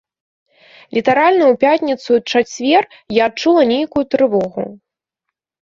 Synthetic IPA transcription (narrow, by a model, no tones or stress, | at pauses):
lʲit̪aɾalʲnɐjupʲat̪ʲnʲit̪sut͡ʂat͡sʲvʲɛr | jaːt͡ʂulˠɐnʲejkujut̪ɾɨvɔɣṵ